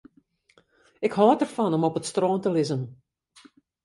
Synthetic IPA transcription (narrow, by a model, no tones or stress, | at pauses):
ɪkhɔːtərfɑnɔmɔpətstroːntəlɪzən